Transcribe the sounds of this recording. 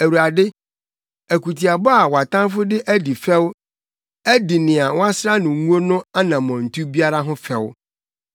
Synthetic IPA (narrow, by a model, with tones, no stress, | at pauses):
æ˨wu˨ɾa˨dɪ˦ | æ˨ku˨tʰi˨a˨bɔ˦a˨wa˨tã˦m˦fʊ˦dɪ˦ʔæ˦di˨fɛ˦w | æ˦di˨nɪ̃˨a˨wɔ̃˦a˦sɾa˦nʊ̃˨˦ŋũ˦o˦nʊ̃˦a˦nã˨mɔ̃˨n̩˨tʰu˦bi˦a˦ɾa˦ɦʊ̃˦fɛ˦w